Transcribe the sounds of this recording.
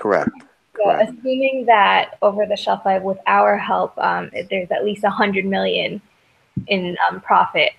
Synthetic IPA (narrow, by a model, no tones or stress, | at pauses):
kʰə˞ɛ̰k̚t | ʔɨsʉ̃mɪ̃ŋðɨɾoʊvə˞ðɨʃɛlˠfaɪvwəðaʊə˞ɦɛlˠpʌ̰̃mɪðə˞zɨtˡlistəhʌ̃ndɹɨd̚mɪlˠjɨ̃n | ʔɪ̃nʌ̃mpʰɹ̥ɑfɪt̚